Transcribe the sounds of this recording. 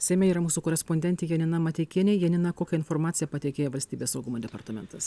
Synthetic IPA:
sʲɛɪmʲɛiːɾɐmuːsuːkoːɾʲɛspɔnʲd̪ʲɛnʲt̪ʲɛjɛnʲɪnɐmɐt̪ʲɛɪkʲiɛnʲɛjɛnʲɪnɐkoːkʲɛɪnfɔɾmɑːt̪sʲɪjɛpɐt̪ʲɛɪkʲeːjoʋɐlʲsʲt̪ʲiːbʲeːssɐʊɡʊmoːd̪ʲɛpɐɾt̪ɐmʲɛnt̪ɐs

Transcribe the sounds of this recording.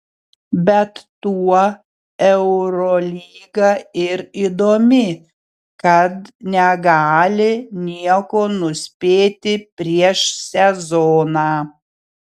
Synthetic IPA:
bʲɛt̪ːuɔ | ɛʊɾolʲiːɡɐɪɾiːd̪oːmʲɪ | kɐt̪nʲɛɡɑːlʲɪnʲiɛkoːnʊsʲpʲeːt̪ʲɪpʲɾʲiɛʃsʲɛzɔːnɑː

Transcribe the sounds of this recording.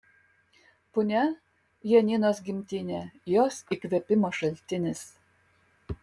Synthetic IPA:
pʊnʲɛ | jɛnʲinosɡʲimʲt̪ʲinʲɛjɔsikʋʲɛpʲɪmɔʃɐlʲt̪ʲɪnʲɪs

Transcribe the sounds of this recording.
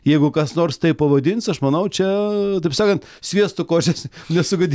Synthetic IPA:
jɛɪɡʊkɐsnoːrst̪ɐɪppɐʋɐd̪ʲɪnsɐʃmɐnɐʊt͡ʃʲɛt̪ɐɪpsɑːkɐnt̪ | sʲʋʲiɛst̪ʊkoːt͡ʃʲɛsnʲɛsʊɡɐdʲ

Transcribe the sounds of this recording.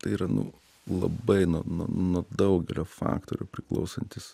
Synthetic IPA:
t̪ɐɪiɾɐnʊ̰ | lˠɐ̰bɐɪnuɔnṵnuɔd̪ɐʊɡʲɛlʲoːfɑ̰ːkt̪oːɾʲupʲɾʲɪklˠɐ̰ʊsɐnʲt̪ʲɪs

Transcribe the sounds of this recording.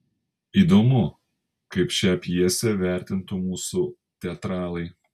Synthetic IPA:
iːd̪omʊ | kɐɪpʃʲæpʲjiɛsʲɛʋʲæˑɾʲt̪ʲɪnt̪ʊmuːsu | t̪ʲɛɐt̪ɾɑːlˠɐɪ

